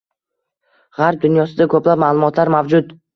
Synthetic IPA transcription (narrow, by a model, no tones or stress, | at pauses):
ʁaɾp̚d̪ʊnjɒsɪd̪akʰɵplab̚maːlˠʊmɒt̪ʰlaɾmavd͡ʒʊt̪